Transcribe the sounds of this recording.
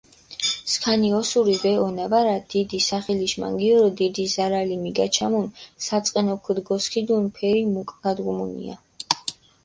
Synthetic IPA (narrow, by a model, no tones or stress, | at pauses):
skʰaniɔsuɾibɛɔnavaɾad̪̥id̪isaχɛliʃma̰ŋɡiɔɾɔd̪id̪izaɾalimiɡat͡ʃʰamunsat̪sʼqʼɛnɔkʰud̪ɡɔskʰid̪unpʰɛɾimukʼɡad̪ɡumunḭa̰